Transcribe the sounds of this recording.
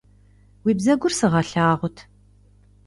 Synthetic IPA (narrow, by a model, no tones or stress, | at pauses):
wiːbzɐɡʷʊrsɨʁɐɬaːʁʷʊtʰ